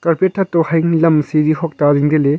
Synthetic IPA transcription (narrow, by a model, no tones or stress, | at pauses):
kɐɾpeʈʰːat̪ohɐjŋlɐmsiɾihɔk̚t̪aɾiŋd̪ele